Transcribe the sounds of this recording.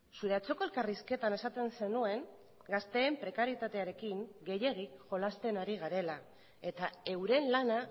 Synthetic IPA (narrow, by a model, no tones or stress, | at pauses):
suɾe̞at͡so̞ko̞e̞lkariske̞t̪ane̞sat̪e̞nse̞nue̞ŋ | ɡast̪e̞ːmpɾe̞kaɾjet̪at̪e̞aɾe̞kiŋɡe̞je̞ɣ̞iʝo̞last̪e̞naɾiɣ̞aɾe̞la | e̞t̪ae̞wɾe̞nlana